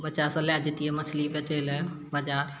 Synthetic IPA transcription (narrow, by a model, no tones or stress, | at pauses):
bətːʃasɐ̃lɛd͡ʒɪt̪iɛmət͡ʃʰlibet͡ʃelɛ | bad͡ʒaːɾ